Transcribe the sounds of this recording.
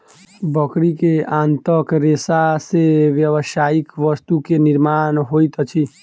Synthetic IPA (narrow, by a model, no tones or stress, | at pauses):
bəkɽikeãnt̪əkɾesaseʋjəʋʃaikʋəst̪ukenɪɾmanɦojt̪ət͡ʃʰi